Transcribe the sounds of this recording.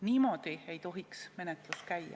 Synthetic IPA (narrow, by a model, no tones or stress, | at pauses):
niːmo̞ːd̪̥ie̞jt̪o̞ɦiksme̞net̪ˑluskæjɑ̰